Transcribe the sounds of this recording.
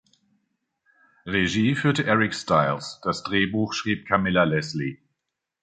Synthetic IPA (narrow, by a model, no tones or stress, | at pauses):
ʁeʒiːfyːɐtəʔɛʁɪkstaɪlsd̥asd̥ʁeːbuːxʃʁ̥iːp̚kʰamɪlalɛsli